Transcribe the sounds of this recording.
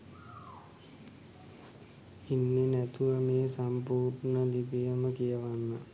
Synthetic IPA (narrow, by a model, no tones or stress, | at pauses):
inːenæt̪uʋəmeːsampuːɾnəlibijəməkijəʋanːə